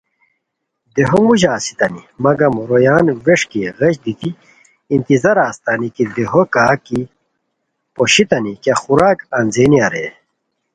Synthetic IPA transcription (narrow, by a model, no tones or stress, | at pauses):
d̪eɦomuʑaːsi̥t̪ɐnimɐɡɐmɾojaːnʋeʂkiɣɐɕd̪it̪i | int̪izɐɾaːst̪aːnikid̪eɦokaːki | poɕit̪ɐnikjɐxuɾaːkɐnzeːniɐɾḛ